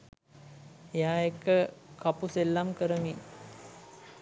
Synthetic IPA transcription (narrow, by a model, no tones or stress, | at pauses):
ejaːekːəkapuselːamkəɾəmi